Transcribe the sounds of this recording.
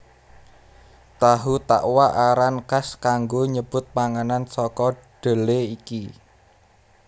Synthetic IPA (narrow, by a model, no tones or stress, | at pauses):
t̪aɦut̪a̰ʔwaʔaɾankaskaŋɡoɲəb̥ʊ̤t̪̚paŋanansɔkɔɖ̥ə̤leiki